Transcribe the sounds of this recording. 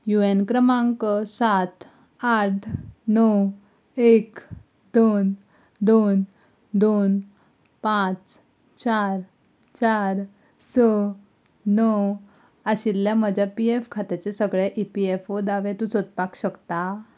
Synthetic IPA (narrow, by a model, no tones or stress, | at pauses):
juenkɾəmãŋkəsat̪ʰ | aʈʰnɔw | ek | d̪on | d̪on | d̪on | pãt͡s | t͡ɕaɾ | t͡ɕaɾ | sə | nɔw | aɕilljaməd͡ʑʱapiefkʰat̪et͡sesəɡɭeʔipiefod̪aʋet̪ũt͡sot̪̚pakɕəkt̪a